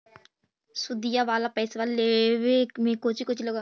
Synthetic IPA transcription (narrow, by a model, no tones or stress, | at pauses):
sʊd̪ijaʋaːlapɛːsʋaleʋemẽkot͡ʃikʊt͡ʃʰiloɡa